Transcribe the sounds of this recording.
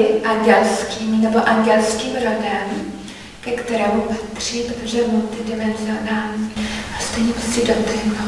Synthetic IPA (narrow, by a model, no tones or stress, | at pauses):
ɪʔaŋɡɛlskiːmnɛboʔaŋɡɛlskiːmɾodɛm | kɛkt̪ɛɾɛːmupat̪r̝̥iːpɾot̪oʒɛmult̪ɪdɪmɛnzɪonaːlɲiʔast̪ɛjɲɛpɾoscɛdot̪aɦo